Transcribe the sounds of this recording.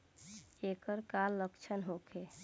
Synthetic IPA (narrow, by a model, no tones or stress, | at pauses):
ekəɾkalːəkt͡ʃʰənɦokʰe